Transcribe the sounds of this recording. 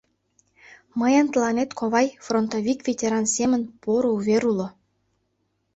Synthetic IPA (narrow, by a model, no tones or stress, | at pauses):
məjɑnt̪əlˠɑnet̪kʰoβɑjfront̪oβʲikvʲetʲeɾɑnsemə̆npoɾouβeɾulŏ